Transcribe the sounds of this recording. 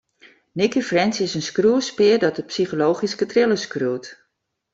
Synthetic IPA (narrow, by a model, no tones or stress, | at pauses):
nɪkifrɛnsɪsənskruəspɪərdɔt̚dəpsiχoloːχiskətrɪləskruːt